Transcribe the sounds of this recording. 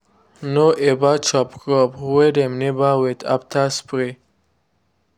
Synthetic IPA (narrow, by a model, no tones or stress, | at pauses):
noʔebat͡ʃapkəpwedemnebaːwet̪ʰa̰pt̪ʰaspɾe